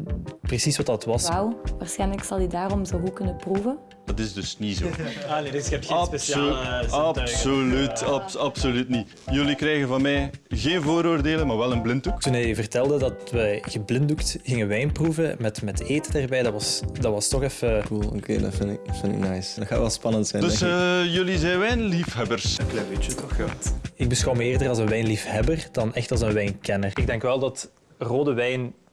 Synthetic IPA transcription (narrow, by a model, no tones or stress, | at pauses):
prəsisʋɑtdɑtʋɑsawʋaːrsxɛjnləksɑlˠydaːɾɔmzoɣukɵnəpruːvə | d̥ɑtɪzdɵsnizo̰ːanedpespeaɑsolytɑpɑpsolytni | jɵlikɾɛjɣəvɑnmɛjɣeːnvoːɾoːrdeːləmaːɹʋɛlənblɪntuktunɦɛjvərtɛlˠdədɑtʋəɣəblɪnduktɣɪŋəʋɛjnpruvəmɛtmɛteːtədaːrbɛjdɑʋɑsdɑʋɑstɔxɛfəkulˠo̰kʰḛːdɑ̰tfɪnɪktfɪntɪ̰knajsdɑtxaːtʋɛlˠspɑnəntsɛjndəsjɵlizɛjnʋɛjnlifɦɛbərsklɛvɪt͡ʃətʰɔxatɪɡ̚bəsxɑwməeːrdərɑlˠzənʋɛjnlifhɛbərdɑnɛxtɑlˠzənʋɛjnkɛnərɪɡ̚dɛŋkʋɛlˠdɑt | roːdəʋɛjn